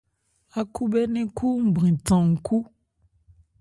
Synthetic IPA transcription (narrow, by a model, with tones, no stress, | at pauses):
a˨kʰu˦bɛ˦nĩ˦kʰu˦m̩˦bɾĩ˨tã˨ŋ̩˨ku˦